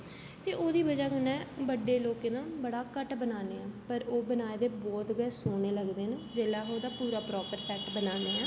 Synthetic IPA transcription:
t̪eːʔoːd̪iːbəd͡ʒaːkənɛ̃ːbəɖeːloːkẽːnãːbəɽaːkəʈbənaːneːɛ̃ːpəɾoːbənaːed̪eːbɔːt̪ɡɛːsoːneːləɡd̪eːned͡ʒeːlaːoːd̪aːpuːɾaːpɾɔːpəɾsɛːʈbənãːneːɛ̃ː

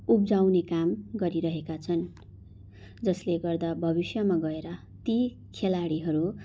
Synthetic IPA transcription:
ubd͡zawnekamɡʌɾiɾʌɦekat͡sʰʌn | d͡zʌsleɡʌrd̪abʱʌbisjʌmaɡʌeɾʌ | t̪i | kʰelaɽiɦʌɾu

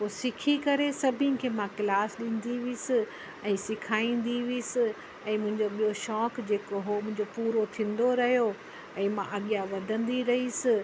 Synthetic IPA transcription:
poːsɪkʰikɐɾesɐbʱɪ̃n̆kʰeːmãkɪlaːsɗĩːn̆d̪iʋisɪ | ɛ̃ːsɪkʰaːĩːn̆d̪iʋisɪ | ɛ̃ːmʊ̃ɦɪ̃ɲd͡ʑoɓijoʃɔːkd͡ʑeːkoɦomʊ̃ɦɪ̃ɲd͡ʑopuːɾot̪ʰĩːn̆d̪oɾɐɦjo | ɛ̃ːmãʔɐɠijaʋɐd̪ʱə̃nd̪iɾɐɦisɪ

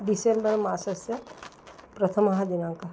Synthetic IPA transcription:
ɖisembəɾmaːsɐsjɐ | pɾɐt̪ʰəmɐɦad͡ʒinãːŋka

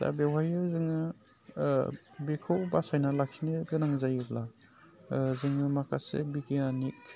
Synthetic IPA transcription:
da̰bewɦajɯzɯŋɯ | bekʰɯwbasajnalakʰiniɡɯnaŋzajɯbla | zɯŋɯmakʰasḛbikianik

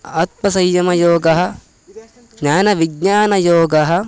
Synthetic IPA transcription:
ɐt̪̚mɐsɐjːɐmɐjoːɡɐɦɐ̥̆ | ɲaːnɐʋiɡɲaːnɐjoːɡɐɦɐ̆

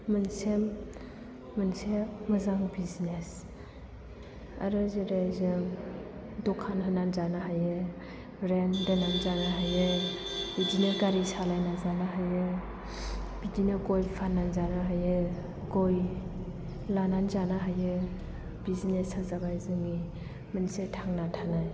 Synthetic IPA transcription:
mɯnsemː | ɯnsemɯzaŋbizines | a̰ɾɯzɯɾazɯ | dɔkʰanɦɯnanzanaɦajɯ | ɾendananzanaɦajɯbid͡ʒineɾkaɾisalajnazanaɦajɯ | b̥id͡ʒinɯɡɔjpʰananzanaɦajɯ | ɡoj | lananzanaɦajɯ | bizinesazabajzɯŋi | mɯnsetʰaŋnatʰanaj

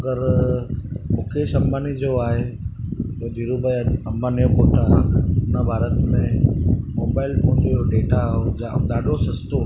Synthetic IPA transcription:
ɐɡəɾ | mʊkʰeːʃɐmbaːnid͡ʑoaːɦe | t̪od̪iɾubəjɐmːanijokoːʈaʊnəbʱaːɾət̪mẽmoːbaːɪlfoːnd͡ʑooɖeːʈaɦoaɗ̪aːɗosɐst̪o

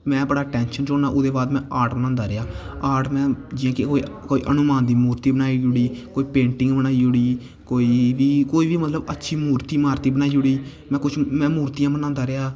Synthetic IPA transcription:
mɛ̃ːbəɽaːʈɛːnʃənt͡ʃoːnaːʔʊd̪eːbaːd̪mɛ̃ːʔaːɾʈbənãːnd̪aːɾɪaːaːɾʈmɛ̃ːd͡ʒɪjãːkɪkoːḭkoːḭːʔənʊmaːnd̪iːmuːɾt̪iːbənaːiːd͡ʒʊɽiːkoːiːpẽːɳʈɪ̃ŋɡbənaːid͡ʒʊɽiː | koːiːʋiːkoːiːʋiːmət̪ləbətːʃʰiːmuːɾt̪iːmaːɾt̪iːbənaːiːd͡ʒʊɽiː | mɛ̃ːkʊt͡ʃʰmɛ̃ːmuːɾt̪ijãːbənãːnd̪aːɾeaː

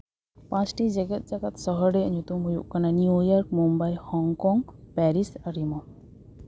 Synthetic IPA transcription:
pãt͡ʃʈid͡ʒɛɡɛt̪̚ˀd͡ʒaɡat̪̚sɔɦɔɽɛɲut̪umɦujṵʔkananiujɔɾkmumbajhɔŋkɔŋɡpɛɾisaɾimɔ

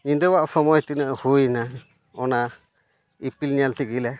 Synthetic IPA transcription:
ɲind̪ewaʔsɔmɔjt̪inəʔhujna | ɔna | ipilɲalt̪iɡilɛ

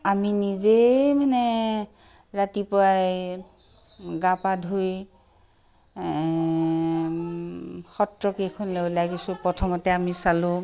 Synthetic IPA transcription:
aminizemanɛ | ɹatipɔɹaj | ɡapadʱuj | xɔtɹɔkekʰɔnlowlaɡisʊ̃pɹɔtʰɔmɔtɛamisalʊ̃

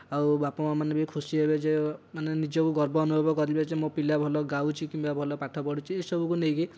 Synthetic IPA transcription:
awbapɔmamanebekʰusiɦebed͡ʒemanenid͡ʒɔkuɡɔɾbɔːnubʱɔbɔkɔɾibed͡ʒemõpilabʱɔlɔɡawt͡ʃʰikimbabʱɔlɔpaʈʰɔpɔɽut͡ʃʰiesɔbʱukunejɡi

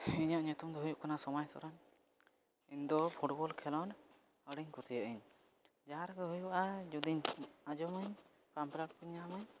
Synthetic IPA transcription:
iɲaʔɲut̪umd̪ɔɦujuʔkanasɔmajsɔ̰ɾan | iɲd̪ɔpʰuʈbɔlkʰɛlɔn | əɽiɲkuɾt̪ijəʔəɲ | d͡ʒaaɾkəɦujuʔad͡ʒud̪iɲad͡ʒɔməɲ | pampɾak̚piɲamaɲ

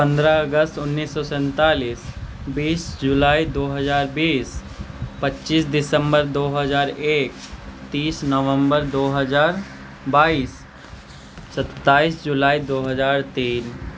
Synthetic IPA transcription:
pə̃nd̪ɾaəɡəst̪ʊnːiːsːɔsɛ̃nt̪aːliːsbiːsd͡ʒʊlaːid̪oːɦəzaːɾbiːs | pətːʃiːsd̪ɪsə̃mbəɾd̪oːɦəzaːɾeːkt̪iːsnɔʋə̃mbəɾd̪oːɦəzaːɾ | baːiːs | sət̪ːaːiːsd͡ʒʊlaːid̪oːɦəzaːɾt̪iːn

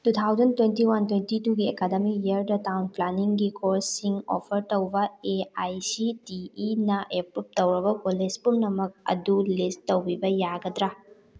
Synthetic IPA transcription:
tut̪ʰawzɐntwentiwantwentituɡiekademiiɐɾdɐtawnplaniŋɡikʰoɾsːiŋo̰pʰɐɾtɐwbɐeajsitiːnɐʔepɾup̚tɐwɾɐbɐpolespumnɐmɐk̚ɐ̰dulisttːɐwbibɐjaɡɐdɾa

